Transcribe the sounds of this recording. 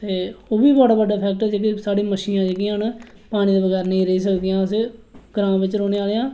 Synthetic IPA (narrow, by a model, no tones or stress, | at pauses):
t̪eːoːʋiːbɔːɽaːbəɖaːpʰɛːk̚ʈɛːd͡ʒeːkisaːɽiːməʃiːnãːd͡ʒeɡin | paːɽ̃ĩːd̪eːbəɡɛːɾnə̃ĩːɾəiːs̬əkd̪ijãːsɡɾãːmʋɪt͡ʃɾoːneːaːleːãː